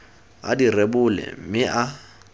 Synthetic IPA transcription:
a̰direbʊlɛ̰m̩mɪʔa

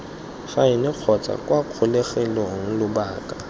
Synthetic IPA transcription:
χaɪnɪq͡χʰɔt͡sʼa̰kʼwaq͡χʰʊleχɛlɔŋ̩lʊbaːkʼa

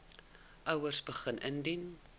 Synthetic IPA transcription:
ʔəwərsbəχənʔəndin

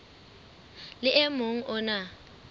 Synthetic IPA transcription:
lɪʔemoŋ̩ʔʊna

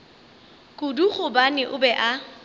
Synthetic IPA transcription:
kʼʊduχʊbanɪʔʊbɛʔa

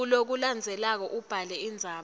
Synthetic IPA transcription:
ulok̬uland͡zʱɛlak̬ɔʔub̥ʱalɛind͡zʱaː

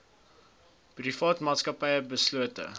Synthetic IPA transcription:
prifɑːtmɑːtskɐpɛjəbəsluətə̰

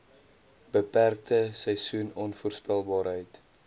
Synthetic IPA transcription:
b̥əpærk̚təsəjsunɔnfuərspælˠbɑːɾɦəjt

